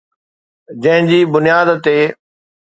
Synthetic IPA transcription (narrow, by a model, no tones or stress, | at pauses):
d͡ʑɐ̃ɦɪ̃ɲd͡ʑiːbʊnijaːd̪t̪eː